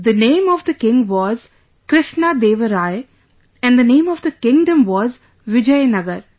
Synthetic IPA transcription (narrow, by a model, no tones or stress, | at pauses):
d̪ənẽːmɔʋd̪əkɪ̃ŋɡʋɔːz | kɾɪʃnad̪eːʋəɾaːɪ | ɛ̃nd̪ənẽːmɔʋd̪əkɪ̃ŋɖə̃mʋɔːz | ʋɪd͡ʒəjnʌɡəɾ